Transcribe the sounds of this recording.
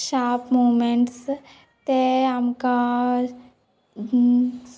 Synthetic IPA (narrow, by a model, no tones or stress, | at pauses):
ʃaːpmoːmeɳʈs | t̪eɐmka